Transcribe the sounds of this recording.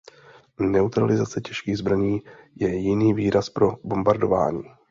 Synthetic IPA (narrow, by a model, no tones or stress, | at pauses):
nɛut̪ɾalɪzat͡sɛcɛʃkiːɣzbɾaɲiːjɛjɪniːviːɾaspɾo̞bo̞mbaɾdo̞va̰ːɲiː